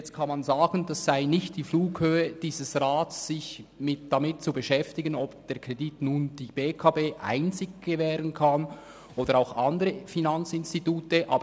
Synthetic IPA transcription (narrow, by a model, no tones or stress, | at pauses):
t͡stkʰanmanzaːɡ̥əndasːaɪnɪçtd̥iːfluːkhøːəd̥iːzəsʁaːtsːɪçmɪd̥amɪt̚t͡subəʃɛftɪɡənɔbd̥eːɐkʰʁ̥editnuːnd̥iːb̥eːkʰaːbeːʔa̰ɪnt͡sɪɡɡ̥əvɛːʁənkʰan | ʔoːdəʁaʊxʔɑndəʁəfinant͡sɪnstituːtəʔaːbə